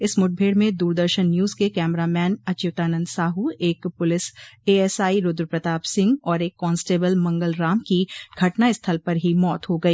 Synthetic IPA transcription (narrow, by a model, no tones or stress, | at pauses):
ɪsmʊʈ̚bʱeːɽmẽd̪uːɾd̪əɾʃənːjuːzkekɛːmɾamɛːnɐt͡ʃjʊt̪aːnə̃nd̪saːɦueːkpʊlɪseːɛsaːiɾʊd̪ɾəpɾɐt̪aːpsɪ̃ŋɡɔːɾeːkːɔːnsʈeːbəlmɐ̃ŋɡəlɾaːmkiɡʱɐʈnaɪst̪ʰəlpɐɾɦimɔːt̪ɦoɡɐiː